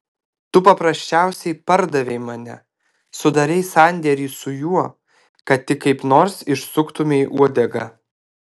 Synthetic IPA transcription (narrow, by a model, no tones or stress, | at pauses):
t̪ʊpɐpɾɐsʲt͡ʃʲæˑʊsʲɛɪpɐɾd̪ɐʋʲɛɪmɐnʲɛ̰ | sʊd̪ɐɾʲɛɪsɐnʲd̪ʲɛɾʲiːsʊjuɔ | kɐt̪ʲtʲɪkːɐɪpnoːɾsɪʃsʊkt̪ʊmʲeʔuɔd̪ʲɛɡɐ